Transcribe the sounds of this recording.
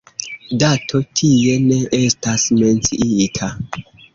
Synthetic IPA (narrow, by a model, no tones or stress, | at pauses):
datʰo̞tʰie̞ne̞ʔestasme̞nt͡siʔiitʰa